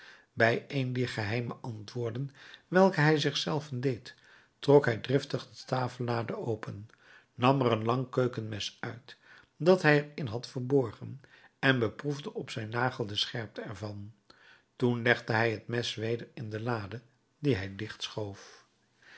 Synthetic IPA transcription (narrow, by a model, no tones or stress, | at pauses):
bɛjejndiːɹχəɦɛjməʔɑntʋʊːɹdənʋɛlˠkəɦɛjzɪχsɛlˠvəndejt | trɔkɦɛjdrɪftəχdətaːfəlˠːaːdəowpənː | ɑmərənlɑŋkøɥkənmɛsœɥt | dɑtɦɛjəɹɪnɦɑtfəɹbɔɹχən | ɛnbəpruvdəʔɔpsɛjnːaːχəl̩ˠdəsχɛɹp̚tʰəɛɹvɑn | tunlɛχdəɦɛjɦətmɛsʋejdəɹɪndəlaːdə | diɦɛjdɪχtsχowf